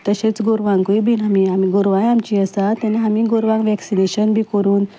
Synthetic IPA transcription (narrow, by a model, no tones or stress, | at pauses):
t̪əɕet͡sɡoɾʋãŋkoibʱinamiamiɡoɾʋajamt͡ɕiːəsat̪ɛneɦamiːɡoɾʋãŋɡʋɛksineɕənbʱiːkəɾuːn